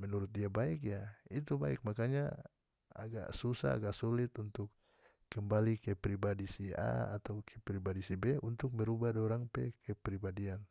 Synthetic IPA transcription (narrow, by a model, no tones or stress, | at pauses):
mɛnuɾʊt̪̚diabaikjait̪uba̰ḭk̚makaɲa | a̰ɡa̰ʔsusa̰a̰ɡaʔsulit̪unt̪ʊkː | ɛmbalikɛpɾibadisia̰a̰t̪aukʰɛpɾibadisibɛunt̪ʊk̚mɛɾubadɔɾaŋpɛ̰kɛpɾibadian